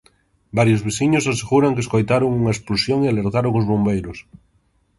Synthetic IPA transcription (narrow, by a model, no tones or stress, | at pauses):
baɾjʊzβ̞isiɲʊsaseɣuɾaŋkɪeskojt̪aɾoŋuŋɐespulusjoŋealeɾt̪aɾoŋʊzβombejɾʊs